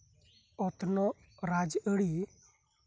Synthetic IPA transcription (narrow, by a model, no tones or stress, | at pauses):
ɔt̪nɔ | ɾad͡ʒəɽi